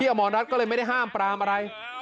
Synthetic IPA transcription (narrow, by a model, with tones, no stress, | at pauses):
iː˥˩ʔaː˧mɔː˧nɾa˦˥t̪̚kɔː˥˩ɤː˧jma˥˩da˥˩jɦaː˥˩mpɾaː˧mʔa˧ɾa˧j